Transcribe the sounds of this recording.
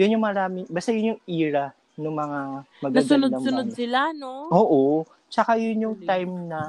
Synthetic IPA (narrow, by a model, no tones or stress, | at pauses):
jʊnjʊŋmɐɾaːmɪŋbaːst̪ajʊnjʊŋʔiːɾɐ | nʊŋmɐŋamɐɡnɐsʊnod̪ɐmsʊnod̪̚sɪlanoʔoːʔo | t͡ʃɐkajʊnjʊŋt̪ajmnɐ